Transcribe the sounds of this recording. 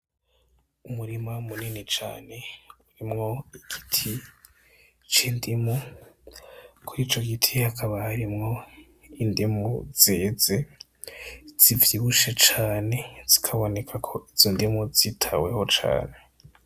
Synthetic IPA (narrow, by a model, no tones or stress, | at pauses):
umuɾimaumuninit͡ʃa̰ːne̞uɾimŋo̞iɡ̥i̥tʰi | t͡ʃiːndimu | kʰuɾiːt͡ʃo̞ɡitʰihakʰaβahaɾimŋo̞ | indimuz̥eːze̞ | z̥ivjiβuʃet͡ʃaːne̞z̥ikʰaβo̞ne̞kʰakʰo̞ʔiz̥indimuzitʰawe̞ho̞t͡ʃa̰ːne̞